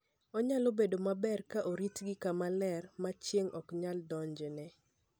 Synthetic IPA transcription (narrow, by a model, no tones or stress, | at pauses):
ɔɲalobedomabɛrkaʔoɾitɡɪkamalɛrmat͡ʃjeŋɔkɲaldɔɲd͡ʒnɛ